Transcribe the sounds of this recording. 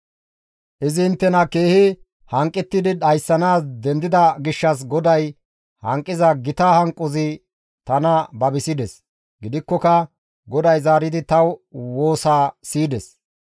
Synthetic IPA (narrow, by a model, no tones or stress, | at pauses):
ʔɪzɪɪnt̪ːɛnɐke̞ːhɪ | hɐŋkʼːɪt̪ːɪd̪ɪɗɐjsːɐnaːsd̪ɛnd̪ɪd̪ɐɡɪʃːɐs̬ɡɔd̪ɐj | hɐŋkʼːɪzɐɡɪt̪ahɐŋkʼːʊzɪ | t̪ɐnɐbɐbɪsɪd̪ɛs | ɡɪd̪ɪkːɔkɐ | ɡɔd̪ɐjzaːɾɪd̪ɪt̪ɐwwo̞ːsaːsiːd̪ɛs